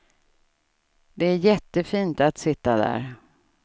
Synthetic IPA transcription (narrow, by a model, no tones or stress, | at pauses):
d̪ɛæɾjɛt̪ːəfiːnt̪at̪sɪt̪ːad̪æ̰ːɾ